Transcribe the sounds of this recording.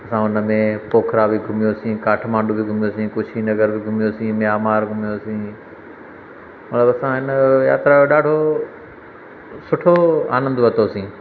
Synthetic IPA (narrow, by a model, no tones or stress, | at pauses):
ɐsãːʊnə̆mẽpoːkʰɾabʱiɡʱʊmijosĩːkaːʈʰmãːɳɖobʱɪɡʱʊmɪjosĩːkʊt͡ʃʰinɐɡəɾbʱɪɡʱʊmijosĩmɪaːmaːɾɡʱʊmijoːsĩː | mɐt̪ləbɐsãɦɪnja̰ːt̪ɾaoɗaːɖʱo | sʊʈʰoa̰ːnə̃nd̪ʊʋɐt̪oːsĩː